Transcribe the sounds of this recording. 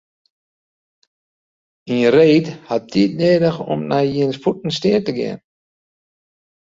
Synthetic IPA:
inreːthat̚ditneːdəxɔ̰mnajjiənsputn̩stɪətəɡɪ̰ən

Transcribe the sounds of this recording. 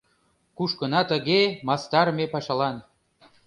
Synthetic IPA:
kuʃkənɑt̪ə̆ɣemɑst̪ɑrmepɑʃɑlɑn

